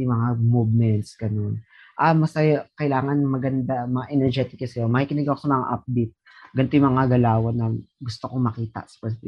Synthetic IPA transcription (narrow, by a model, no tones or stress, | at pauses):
mɐŋamuːvmɛnt̪sɡ̥ɐno̞n | ʔamɐsɐjakɐjlaːŋɐnmɐɡɐnd̪amɐŋaʔɛnɛɹd͡ʒɛt̪ɪkːɐsɐjomɐkikɪnɐɡiʔɐkosɐmɐŋa̰ʔɐp̚d̪et̚ | ɡɐnt̪ojʊŋmɐŋaɡɐlaːwɐnɐɡʊst̪okomɐkiːt̪ɐ̰sɐ̥pɛsɪfḭ